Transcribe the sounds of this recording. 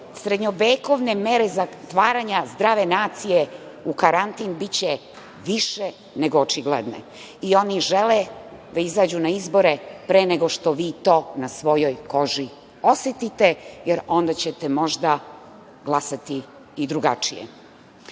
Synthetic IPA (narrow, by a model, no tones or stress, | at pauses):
sɾed̪ɲobeːkoʋnemeɾezat̪ʋaːɾaɲazd̪ɾaːʋenaːt̪sijeukaɾant̪inbit͡ɕɛ | ʋiʃe | neɡoːt͡ʃiɡlḛd̪nḛ | io̞niʒeled̪aizaːd͡ʑunaizbo̞ɾepɾeːneɡo̞ʃt̪oʋiːt̪o̞ːnasʋo̞jo̞jko̞ʒi | o̞set̪it̪ejeɾo̞nd̪at͡ɕet̪emo̞ʒd̪a | ɡlˠasat̪iː | d̪ɾuɡa̰t͡ʂijḛ